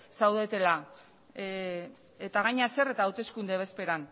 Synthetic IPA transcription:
sawðet̪e̞la | et̪aɣ̞aɲase̞re̞t̪aːwt̪e̞skund̪eβe̞spe̞ɾan

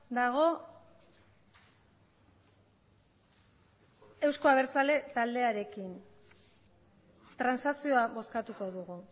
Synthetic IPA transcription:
d̪aɣ̞o̞ | e̞wsko̞aβ̞e̞ɾt͡sale̞t̪ald̪e̞aɾe̞kin | t̪ɾansasio̞aβo̞skat̪uko̞ðuɣu

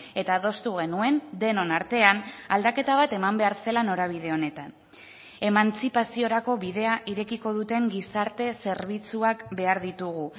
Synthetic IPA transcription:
e̞t̪aðo̞st̪uɣe̞nue̞nd̪e̞no̞naɾt̪e̞anald̪ake̞t̪aβ̞at̪e̞mambe̞aɾse̞lano̞ɾaβ̞ið̞e̞o̞ne̞t̪an | e̞mant͡sipasio̞ɾako̞βið̞e̞aʔiɾe̞kiko̞ðut̪e̞ŋɡisaɾt̪e̞se̞ɾβ̞it͡suakbe̞aɾðit̪uɣ̞u

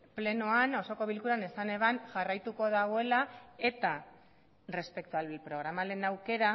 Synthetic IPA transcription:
ple̞noano̞so̞ko̞β̞ilkuɾanesane̞βanʝarajt̪uko̞ð̞aɣ̞o̞e̞lae̞t̪a | re̞spe̞k̚t̪uapɾo̞ɣ̞ɾamale̞nawke̞ɾa

